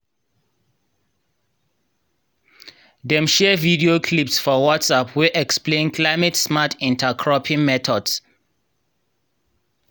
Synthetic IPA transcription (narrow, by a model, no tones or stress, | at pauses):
dɛ̃mʃɛvidiokʰlipsfɔwɔtsapʰwɛʔɛksplẽnkʰlaɪmɛtsmatʰĩntʰakʰɹɔpʰĩŋmɛtʰɔds